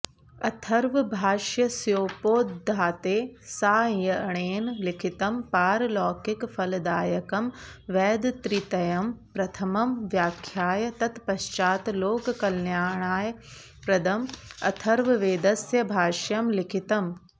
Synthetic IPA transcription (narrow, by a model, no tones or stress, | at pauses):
ɐt̪ʰɐɾʋbʱaːʃjɐsjoːpoːt̪d̪ʱaːt̪eːsaːjɐɐɳ̃eːnlikʰit̪ɐmpaːɾlɔːkikfɐld̪aːjɐkɐmʋɛːd̪t̪ɾit̪ɐjɐmpɾɐt̪ʰɐmɐmʋjaːkʰjaːjɐt̪ɐt̪pɐʃt͡ʃaːt̪loːkkɐlnjaːɳaːj | pɾɐd̪ʱɐmɐ̰t̪ʰɐɾʋɐʋeːd̪ɐsjɐbʱaːʃjɐmlikʰit̪ɐm